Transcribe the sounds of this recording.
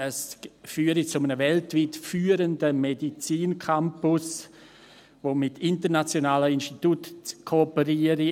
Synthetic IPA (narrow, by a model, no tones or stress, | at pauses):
əsfyːəɾit͡sʊmənəvɛltviːtfyːəɾəndəmedit͡siːnkʰampʊs | voːmɪtʰɪntəɾnat͡sjonaːləinʃtitutkʰoːpəɾiːəɾi